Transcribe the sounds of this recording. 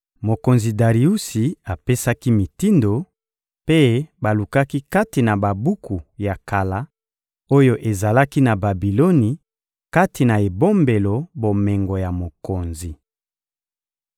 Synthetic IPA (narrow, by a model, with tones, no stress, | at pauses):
mo˨ko˨nzi˨da˨ʁi˨u˦si˨a˨pe˦sa˦ki˦mi˨ti˦ndo˨ | pe˦ba˨lu˨ka˦ki˦ka˦ti˨na˨ba˨bu˦kʰu˨ja˨ka˨la˦ | o˦jo˦ʔe˨za˨la˦ki˦na˨ba˨bi˨lo˦ni˨ | ka˦ti˨na˨e˨bo˦mbe˨lo˨bo˨me˨ŋɡo˨ja˨mo˨ko˨nzi˨